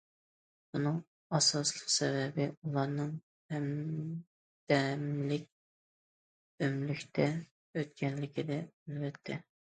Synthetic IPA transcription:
bunɨŋ | ɑsɑslˠəqsɛvɛbɪulˠɑɾnɨŋ | hɛm | d̪̥ɛmlɪk̚ʲ | ømlykʲt̪ʰɛ | øt̪̚kʲɛnlɪkʲʰid̪ɛælbɛt̪ʰːɛ

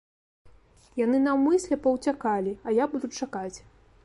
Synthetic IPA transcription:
janɨnawmɨsʲlʲɛpɐwt͡sʲakalʲiɐjabud̪ut͡sʲt͡ʂakat͡sʲ

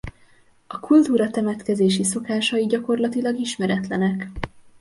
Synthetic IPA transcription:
ɒkult̪uːɾɒt̪ɛmɛt̪kɛzeːʃiso̞kaːʃɒjiɟɒko̞rlɒt̪ilɒɡiʃmɛɾɛt̪lɛnɛk

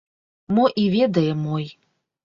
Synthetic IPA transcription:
mɔʔivʲed̪ɐjɛmɔj

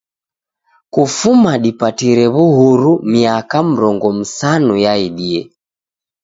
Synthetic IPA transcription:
kufumaɗipatiɾɛβuɦuɾumiakam̩ɾɔŋɡɔm̩sanujaiɗiɛ

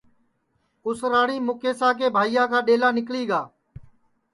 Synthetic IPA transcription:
ʊsɾaːɽiːmʊkeːsãːk̬eːbʱaːijãːkaːɗeːlaːnɪkɭiːɡaː

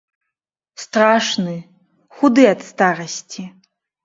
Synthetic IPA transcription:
st̪raʂnɨ | xud̪ɨat̪st̪aɾɐsʲtʲʰi

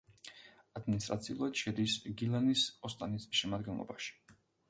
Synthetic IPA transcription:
ad̪minist̪ʼɾat̪sʰiulˠad̪̥ʃɛd̪isɡilanisɔst̪ʼanisʃɛmad̪ɡɛnlˠɔ̰baʃi̥

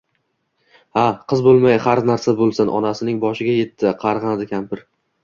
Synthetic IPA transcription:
haqʰɨzbolˠmajχaɾnaɾsabolˠsɪnʔɒ̰nasɪnɪŋbɒʃɪɡʲaje̞t̪ʰːɪqʰɑɾʁɑnd̪ɪkʲʰampɪɾ

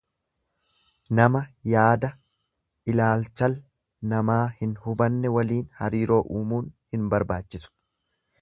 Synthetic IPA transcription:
nɐmɐjaːd̪ɐ | ʔɪlaːlt͡ʃɐl | nɐmaːhɪnhʊbɐnːɛwɐliːnhɐɾiːɾo̞ːʔuːmuːnhɪnbɐɾbaːt͡ʃːɪsʊ̥

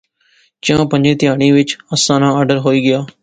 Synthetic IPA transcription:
d͡ʒjãːpə̃ɲd͡ʒẽːt̪ɪjaːɽ̃iːʋɪt͡ʃəsãːnãːaːɾɖəɾɦoːiːɡɪjaː

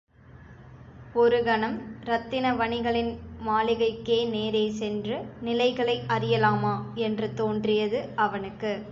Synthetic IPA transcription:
ɔɾɯɡɐɳɐmɾɐt̪ːɪnɐʋɐɳɪɣɐɭɪnmaːlɪɣɐɪkːeːneːɾeːsɛndrɯnɪlɐɪɣɐɭɐɪʔɐɾɪjɐlaːmaːɛndrɯt̪oːndrɪjɐðɯʔɐʋɐnɯkːɯ

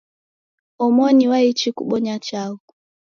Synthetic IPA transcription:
ɔmɔniwait͡ʃikṵɓɔɲat͡ʃaɔ

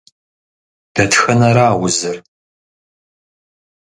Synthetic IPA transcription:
d̥ɐtxɐnɐɾaːwʊzɨr

